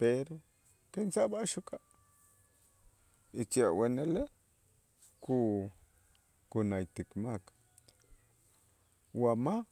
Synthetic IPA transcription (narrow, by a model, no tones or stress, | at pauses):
peɾ | kensabaʃuka | it͡ʃawenele | ku | kunajt̪ikmak | wama